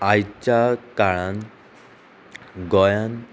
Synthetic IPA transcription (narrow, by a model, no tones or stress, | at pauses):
ajt͡ɕakaɭãn | ɡɔjan